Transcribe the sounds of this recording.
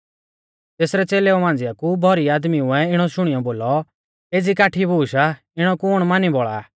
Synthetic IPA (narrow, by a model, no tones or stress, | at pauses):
t̪eːsɾɛt͡seːleɔmãːnd͡zɪjakubʱɔɾiaːd̪miuɛɪɽ̃ɔʃʊɽ̃ijɔboːlɔ | eːd͡zikaːʈʰibʱuːʃa | ɪɽ̃ɔkʊɽ̃maːnibɔɭa̰ː